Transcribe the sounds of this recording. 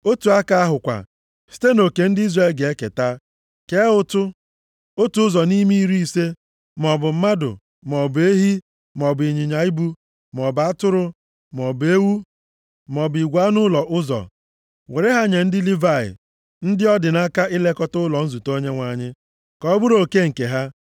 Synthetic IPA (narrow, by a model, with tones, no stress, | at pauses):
o˦tu˨a˦ka˦a˦ɦʊ˨kʷa̰˨ | si̥˦te˦no˨ke˨n̩˦dɪ˦i˦zre˦˨lɡe˨e˦kḛ˨ta˦ | ke˦ʊ˦tʊ˦ | o˦tu˨ʊ˦zɔ˨ni˦mi˦ɾi˦i˦˨se˦ | mɔ˨bʊ˨m̩˦ma˦dʊ̰˨ | mɔ˨bʊ˨e˦ɦi˦ | m˨ɔ˨bi˨ɲi˨ɲa˨i˦bu˦ | m˨ɔ˨ba˨˦tʊ˦ɾʊ˦ | m˨ɔ˨be˦wu˦ | m˨ɔ˨bʊ˨i˨ɡʷa˨˦nʊ˦lɔ˨ʔʊ˦zɔ̰˨ | we˨ɾɪ˦ɦa˦ɲe˨n̩˦dɪ˦li˦va˨ɪ̰˨ | n̩˦dɪ˦ɔ˦dɪ˨na˦ka˦ʔɪ˦le˦kɔ˦tʊ˦lɔ˨n̩˦zu˨to˦ɲe˦ŋʷa˨ɲɪ˦ | kɔ˦bʊ˦ɾo˨ke˦ŋ̩˨ke˨ɦa˦